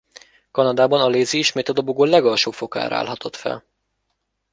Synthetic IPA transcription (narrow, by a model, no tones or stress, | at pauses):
kɒnɒd̪aːbɒnɒleːziiʃmeːt̪ɒd̪obuɡoːlɛɡɒlʃoːfo̞ka̰ːɾ̰a̰ːlɦɒt̪ʰo̞t̪fɛ̰l